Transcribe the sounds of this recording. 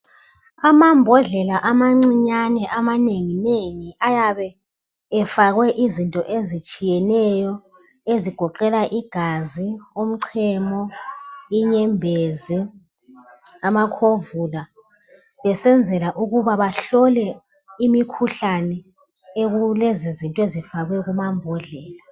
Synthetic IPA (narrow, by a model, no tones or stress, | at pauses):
amambʱɔɮɛlaʔamaŋ͡ǀiɲanɛʔamaneŋineŋiʔajaβɛː | faɣwɛʔizintʼɔʔezit͡ʃʼijɛnɛjɔ | eziɡ̥ʱɔǃɛlaʔiɡ̥ʱaziom̩ǀʰɛmɔ | iɲɛmbʱezi | amakʰovula | βɛsɛnd͡zʱɛlaʔuɣuβaβaɬɔlɛ | imikʰuɬanɛ | eɣulezizintʼwezifaɣwɛɣumambʱɔɮɛːla